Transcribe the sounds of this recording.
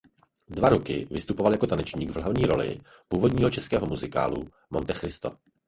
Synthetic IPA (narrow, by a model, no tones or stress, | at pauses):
dvaɾokɪ̰vɪst̪upo̞valjako̞t̪anɛt͡ʃɲiːɡvl̩ɦavɲiːɾo̞̰lɪ̰ | puːvo̞dɲiːɦo̞t͡ʃɛskɛːɦomuzɪka̰ːlṵ | mont̪ɛxɾɪst̪o̰